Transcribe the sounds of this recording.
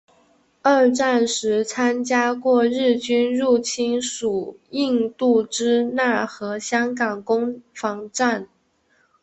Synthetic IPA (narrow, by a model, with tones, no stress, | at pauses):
ə˞˥˧ʈ͡ʂa˥˩nʂɻ̩˧˥t͡sʰa˥nt͡ɕja˥kwɔ˥˧ɻɻ̩˥˩t͡ɕy˥nɻu˥˩t͡ɕʰi˥nʂu˨˩i˥˧nt̪u˥˩ʈ͡ʂɻ̩˥na˥˩xɤ˧˥ɕjɑ˥ŋkɑ˨˩ŋkʊ˥ŋfɑ˧˥ŋʈ͡ʂa˥˩n